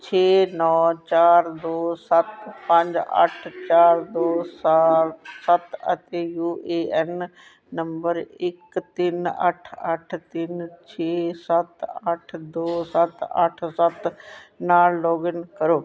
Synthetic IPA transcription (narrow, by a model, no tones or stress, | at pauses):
t͡ɕʰeːnɔːt͡ɕaːɾd̪oːsɐt̪pɐ̃ɲd͡ʑɐ̰ʈʰt͡ɕaːɾd̪oːs | sɐt̪ɐt̪eːjuːeːɛnː | ɐmbəɾɪkt̪ɪnɐ̰ʈʰɐʈʰt̪ɪnt͡ɕʰeːsɐt̪ɐʈʰd̪oːsɐt̪ɐ̰ʈʰsɐt̪naːlloːɡənkɐɾoː